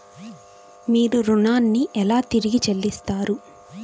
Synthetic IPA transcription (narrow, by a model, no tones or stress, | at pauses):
miːɾuɾunaːnːiʔɛlaːt̪iɾiɡit͡ʃelːist̪aːɾu